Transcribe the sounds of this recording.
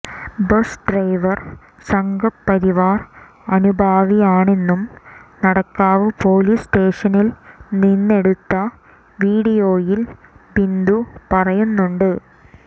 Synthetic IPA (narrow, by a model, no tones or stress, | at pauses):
bɐsɖrɐjʋɐr | sɐŋɡɐːɐɾiʋaːr | ɐnubʱaːʋijaːɳe̞nːumnɐɽɐkːaːʋɨpoːlisʈe̞ːʂɐnilninːe̞ɽut̪ːɐ | ʋiːɽijo̞ːjilbind̪upɐrɐjunːuɳɖɨ